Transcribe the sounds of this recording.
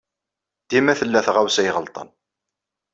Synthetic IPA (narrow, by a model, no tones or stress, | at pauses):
d̪̥imæθəlːæθʁawsæjʁəlt̪ˤə̰n